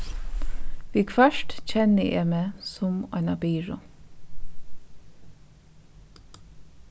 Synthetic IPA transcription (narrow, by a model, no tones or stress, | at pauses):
ʋiːkfœʃʈc͡çʰɛnəʔḛːmeːsʊmɑ̰ɪnɑbiːɹʊ